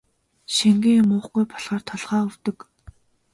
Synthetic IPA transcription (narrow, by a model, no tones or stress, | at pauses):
ʃiŋɡiŋmʊːχɡujpʰɔɮʁaːrt̪ʰɔɮχaːɵw̥t̪ɵ̆k